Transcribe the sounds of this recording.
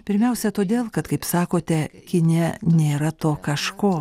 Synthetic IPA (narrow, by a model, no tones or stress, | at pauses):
pʲɪɾʲmʲɛʊsʲɛt̪oːd̪ʲeːlˠkɐt̪kɐɪpsɑːkoːt̪ʲɛkʲɪnʲɛnʲeːɾɐt̪oːkɐʃkoː